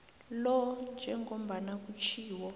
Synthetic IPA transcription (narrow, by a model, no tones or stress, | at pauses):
lɔnd͡ʒʱɛŋom̩banak̬ut͡ʃʰiːwɔ